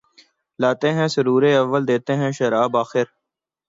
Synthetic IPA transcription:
laːt̪eɦɛ̃səɾuːɾeɐʋːəld̪eːt̪eɦɛ̃ʃəɾaːbaːxɪɾ

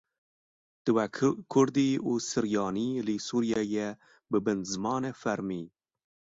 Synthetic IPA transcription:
d̪̥ɨwɛkʰʊɾd̪iːuːsɨɾjɑːniːlisuɾjɛjɛ | bɨbɨnzɨmɑːnefæɾmiː

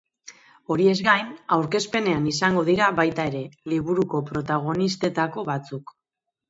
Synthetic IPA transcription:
o̞ɾie̞zɡajnawɾke̞spe̞ne̞anisaŋɡo̞ðiɾaβajt̪ae̞ɾe̞liβ̞uɾuko̞pɾo̞t̪aɣ̞o̞nist̪e̞t̪ako̞βat͡suk

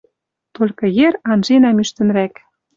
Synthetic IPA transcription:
t̪olʲkɤ̆jerɑnʒenæmyʃt̪ə̆nɾæk

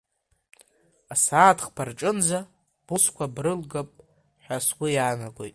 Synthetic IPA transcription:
asaːtʰχpʰarʈ͡ʂʼɨnd͡za | b̥uskʷʰabrɨlɡapʼ | ħʷᶣasɡʷʊjaːnaɡʷo̰jtʼ

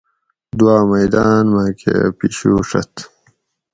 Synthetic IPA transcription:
d̪uwaːmɐjd̪aːnmãːkʰḛpiɕuːʂɐ̰t̪

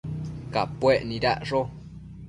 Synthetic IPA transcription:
kapweʔnĩɾaʔʐo

